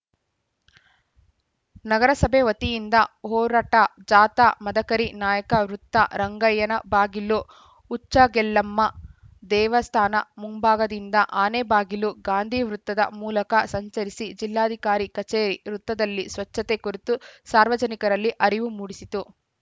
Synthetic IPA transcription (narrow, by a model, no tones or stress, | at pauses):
nɐɡɐɾɐsɐbʱeʋɐt̪ijind̪ɐɦɔːɾaːʈɐd͡ʒaːt̪amɐd̪ɐkɐɾinaːjɐkɐʋɾut̪ːɐ̰ɾɐŋɡɐjɐnɐbaːɡiluː | t͡ʃːɐɡɛlːɐmːɐ | d̪ɛːʋɐst̪ʰaːnɐ̰muŋbaːɡɐd̪ind̪ɐʔaːneːbaːɡiluɡaːnd̪ʱiʋɾut̪ːɐd̪ɐ̰muːlɐkɐsɐɲt͡ʃɐɾisid͡ʒilːaːd̪ʱikaːɾikɐt͡ʃeːɾiɾut̪ːɐd̪ɐlːisʋɐt͡ʃːɐt̪ekuɾit̪usaːɾʋɐd͡ʒɐnikɐɾɐlːiʔɐɾiʋumuːɽisit̪u